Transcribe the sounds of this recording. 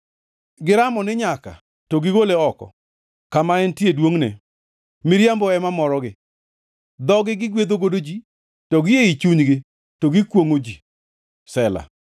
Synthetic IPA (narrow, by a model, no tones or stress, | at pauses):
ɡɪɾamɔnɪɲaka̰ | tɔɡɪɡoleɔkɔ̰ | kamaɛntjedwoŋnɛ̰ | mɪɾjambɔɛmamɔɾɔɡɪ | d̪ɔɡɪɡɪɡwed̪oɡodod͡ʒi | tɔɡɪjeit͡ʃuɲɡɪ | toɡɪkwoŋod͡ʒi | sɛla̰